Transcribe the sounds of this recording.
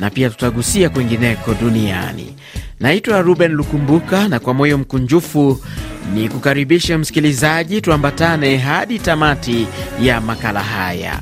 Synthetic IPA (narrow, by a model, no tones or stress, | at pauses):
napiatu̥taɠusiakwɛŋɡinɛkɔɗunia̰nḭ | naitwaɾuɓɛnlukumbukanakwamɔjɔm̩kuɲd͡ʒufu | nikukaɾiɓiʃɛm̩si̥kilizaʄituambatanɛɦaɗitamatijamakala̰ɦa̰ja̰